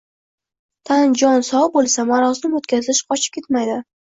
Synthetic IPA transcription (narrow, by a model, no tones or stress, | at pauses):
t̪ʰand͡ʒɒnsɒwbolˠsamaɾɒzɪmot̪kʲʰazɪʃqʰɒt͡ʃʰɪ̥p̚kʲe̞t̪majd̪ɪ